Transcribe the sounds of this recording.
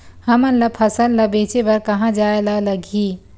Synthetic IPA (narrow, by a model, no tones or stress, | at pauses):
həmənləpʰəsəlləbet͡ʃebəɾkəɦãd͡ʒaelaləɡʱi